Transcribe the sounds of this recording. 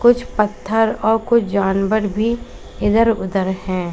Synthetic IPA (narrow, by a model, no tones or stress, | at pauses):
kʊt͡ʃʰpət̪ʰːəɾɔːɾkʊt͡ʃʰd͡ʒaːnʋəɾbʱi | ɪd̪əɾʊd̪əɾhɛ̃ː